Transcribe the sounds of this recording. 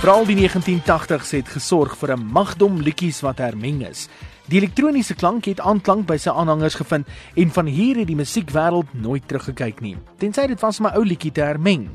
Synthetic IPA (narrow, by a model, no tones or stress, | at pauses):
fəɾɑːlˠdiniəχəntintɐχtəχsəɦɛtχəsɔrχfuəɾəmɐχdɔmlikisvɐtɦærmɛŋə̰s | dielɛk̚truːnisəklɐŋkɦɛtɑːnklɐŋk̚bəjsəjʔɑːnɦɐŋərsχəfəntɛnfɐnɦiːrɦɛt̚diməsikvæːɾəlˠtnoːjtːrɾəχːəkɛjknḭtɛnsəjdətvɐsməʔəwlikitəɦærmɛŋ